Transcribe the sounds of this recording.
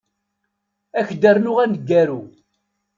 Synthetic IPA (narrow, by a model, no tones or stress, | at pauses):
æçd̪əɾnʊʁænəɡːæɾu